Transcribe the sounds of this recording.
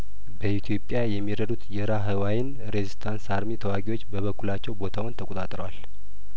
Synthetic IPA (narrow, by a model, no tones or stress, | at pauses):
bəit̪ʰjo̞pʼjajɛmːiɾəd̪ut̪jɛɾaɦɨwajɪn | ɾezist̪ʰansaɾmit̪ʰəwaɡiwo̞t͡ʃːbəβəkːulat͡ʃːɛwbo̞t̪ʰawʊnt̪ʰəkʼot̪ʼat̪ʼɾəwal